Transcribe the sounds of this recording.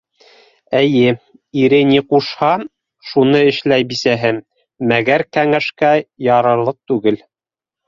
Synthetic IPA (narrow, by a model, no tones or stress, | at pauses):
ɘjɘ | iɾɘniquʃhɑ | ʃunɤɘ̆ʃlæjbisæɦɘmː | æɡæɾkæŋæʃkæjɑɾɤ̆ɾlˠɤq̚t̪ʉɡɘl